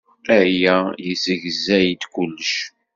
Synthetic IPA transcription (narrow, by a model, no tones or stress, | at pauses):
æjæjəsəʝzæjəd̪kʷʊlːəʃ